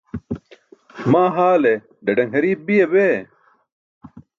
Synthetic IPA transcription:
maːɦaːle | ɖɐɖɐŋɦɐɾiːb̚bijebeː

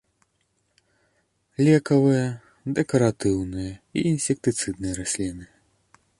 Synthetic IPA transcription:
lʲɛkɐvɨjɐ | d̪ɛkɐɾat̪ɨwnɨjɐḭinsʲɛk̚t̪ɨt̪sɨd̪nɨjɐɾasʲlʲinɨ

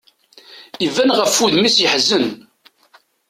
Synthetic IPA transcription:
ivænʁəfːuðmisjəħzən

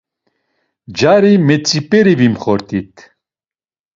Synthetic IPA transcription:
d͡ʒaɾimɛt͡sʼipʼɛɾivimχɔɾt̪ʰʼit̪ʰ

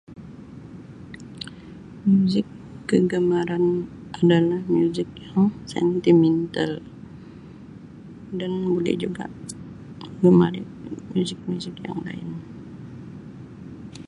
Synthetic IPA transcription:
mjuzɪkː | əɡəmaɾanʔadalahmjuzɪkjaŋsɛ̰nt̪imɛnt̪al | danbudɛ̰ʔd͡ʒuɡa̰ʔ | ɡəmaɾɪ | mjuzɪk̚mjuzɪkja̰ŋla̰ɪ̰n

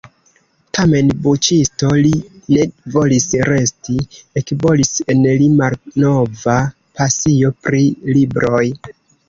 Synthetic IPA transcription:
tʰame̞nbut͡ʃisto̞line̞vo̞lisɾe̞stiekibo̞lise̞nlimalno̞va | pasio̞pɾilibɾʔo̞j

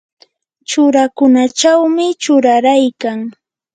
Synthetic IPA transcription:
t͡ʃʊɾakʊnat͡ʃawmɪt͡ʃʊɾaɾajkaŋ

